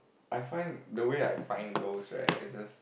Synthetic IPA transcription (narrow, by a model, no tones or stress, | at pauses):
ʔaɪfãɪ̃ndəwea̰jfãɪ̃nɡosɹa̰tɪ̰sd͡ʒʌs